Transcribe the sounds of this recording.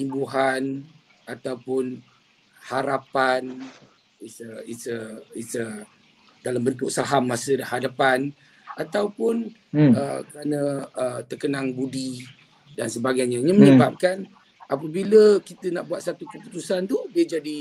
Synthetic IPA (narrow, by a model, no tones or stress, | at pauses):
t̪imbuɦan | at̪awpʊn | haɾapan | isəisəisə | dalambənt̪ʊk̚saɦamːasədahadapan | at̪awpʊn | əkəɾanə̃ət̪ərkənaŋbudi | dansəbaɡajɲə̃ɲə̃məɲəbap̚kan | ʔapəbiləkit̪ənaʔbuat̪̚sat̪ukəput̪usant̪udiəd͡ʒadi